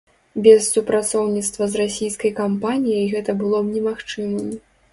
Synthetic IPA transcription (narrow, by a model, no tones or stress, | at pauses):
bʲɛssupɾat̪sɔwnʲit̪st̪vɐzrasʲijskɐjkampanʲijɐjɣɛt̪ɐbɨlˠɔbnʲɛmaxt͡ʂɨmɨmʲ